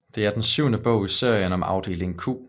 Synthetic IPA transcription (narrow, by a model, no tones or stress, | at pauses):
d̥e̝æɐd̥ensyʊnəb̥ɔ̰̽ʊ̰ise̝ɐ̰jənɒ̽mɑ̈ʊd̥e̝̰ːle̝ŋkʰṵ